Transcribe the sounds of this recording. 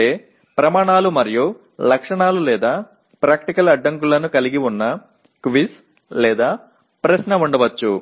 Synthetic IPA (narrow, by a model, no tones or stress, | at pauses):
eː | pɾɐmaːɳaːlumɐɾiju | lɐkʂɐɳaːlulɛːd̪aː | pɾaːkʈikɐlɐɖːɐŋk̬ulɐnukɐliɡiunːɐ | kʋis | lɛːd̪aː | pɾɐɕnɐuɳɖɐʋɐt͡ʃːu